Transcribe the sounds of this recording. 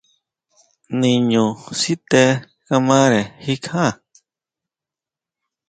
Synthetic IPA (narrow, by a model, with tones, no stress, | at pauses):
nĩ˨ɲũ˨si˦t̪e˧˦ | ka˧mã˦ɾe˨hi˦kʰã˦˨